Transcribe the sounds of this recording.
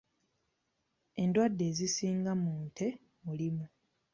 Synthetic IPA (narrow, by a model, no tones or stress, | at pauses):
e̞ndwadːe̞ːzisiːŋɡamuːnte̞ | mulimu